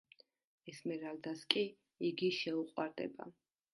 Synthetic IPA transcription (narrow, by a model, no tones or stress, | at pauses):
ɛsmɛɾald̪askʼi | iɡiʃɛuqʼwaɾd̪ɛ̰ba̰